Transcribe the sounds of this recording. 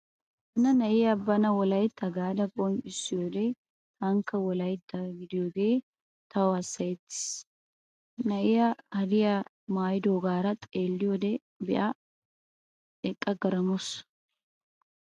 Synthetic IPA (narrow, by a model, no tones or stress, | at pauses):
hɐnɐnɐʔɪjɐbːɐnɐwɔlɐjt̪ːɐɡaːd̪ɐkʼɔnt͡ʃɪsːɪjoːd̪ɛ | hɐŋkːɐwɔlɐjt̪ːɐɡɪd̪ɪjoɡe̞ː | t̪ɐwɐsːɐjɛt̪ːɪ̥s | nɐʔɪjɐhɐd̪ɪjɐ | maːjd̪oːɡaːɾɐt̪ʼeːlːɪjod̪ɛ | bɛʔɐ | ɛkʼːɐɡɐɾɐmʊs